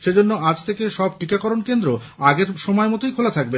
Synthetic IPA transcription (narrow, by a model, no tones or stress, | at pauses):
ʃed͡ʑonːoʔad͡ʑt̪ʰekeʃɔb̚ʈikakɔɾonkend̪ɾo | aɡeɾʃɔmɔemɔt̪ojkʰolat̪ʰak̚be